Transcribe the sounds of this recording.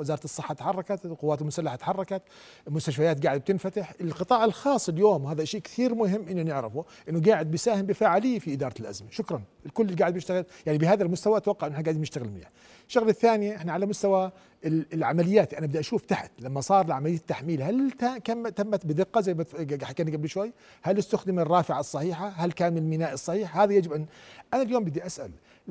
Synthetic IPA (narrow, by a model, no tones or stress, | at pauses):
wɪzɑːɾɑt̪ɨsˤːɨħːɑt̪ħɑrˤːɑkat̪lqʊwːaːt̪lmʊsalːaħat̪ħɑrˤːɑkat̪ | lmʊst̪aʃfajaːt̪̚ɡaːʕɪd̪b̚t̪ɪnfat̪ɪħɪlqɨt̪ˤɑːʕɪlxɑːsˤːɪljoːmwhaːðaʔaʃiːʔkθiːɾmʊɦɪmːʔɪnːʊnɪʕɾɪ̰fuʔɪnːʊɡaːʕɪd̪̚bɪjsaːhɪmbɪfaːʕaliːfiʔɪd̪ɑːɾˤɑt̪lʔa̰zmaʃʊkɾˤɑnɪlkʊlːɪliɡaʕd̪bjɪʃt̪aɣɪljaʕnibɪhaːðalmʊst̪awaʔt̪wɑqːɑʕʔnːʔɪħnaɡaʕd̪mnɪʃt̪aɣɪlmɪnḭːha | ʃːaɣlɪθːaːnɪjʔɪħnaʕalamʊst̪awa | lʕa̰malɪjːaːt̪lʔanabɪd̪aʔaʃuːft̪aħat̪lamːasˤɑːɾˤɪlʕamalɪjːat̪ːaħmiːlhalakamːt̪amːat̪bɪd̪ɪqːɑzajmaɡaħkaːniɡablʃwajː | halːɪst̪ʊxd̪ɪmarˤːɑːfɪʕasˤːɑħiːħahalkaːnmɪlmɪnaːʔɨsˤːɑħiːħhaːðajad͡ʒɪbʔanʔanaljoːmbɪd̪iʔasʔa̰l